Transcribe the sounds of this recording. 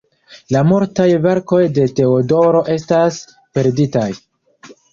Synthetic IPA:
lamuɾtajve̞ɾko̞jde̞te̞odo̞ɾo̞ʔe̞stas | pe̞ɾditaj

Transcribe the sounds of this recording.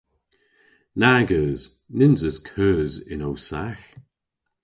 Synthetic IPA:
naɡəːz̥ | nɪnzəskʰœːzɪ̰nowsax

